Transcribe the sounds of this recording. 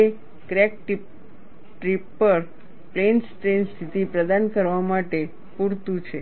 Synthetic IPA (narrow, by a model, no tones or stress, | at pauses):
e | kɾek̚ʈip | ʈɾipːəɾ | plensʈɾenst̪ʰit̪ipɾəd̪ankəɾʋamaʈe | puɾt̪ũt͡ʃʰe